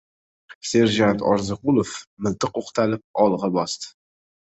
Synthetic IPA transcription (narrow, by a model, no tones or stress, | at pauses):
se̞ɾʒant̪ʰɒɾzɨqʊlˠofmɪlˠt̪ʰɨqoqt̪ʰalɪp̚ɒlˠʁɑbɒst̪ɪ̥